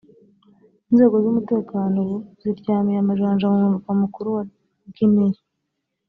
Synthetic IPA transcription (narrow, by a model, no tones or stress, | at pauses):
inze̞ːɡo̞zumute̞ːkaːnowz̥iɾɟaːmijamaʒaːnʒamumuuɡamukuɾuwa | ɡimeɾi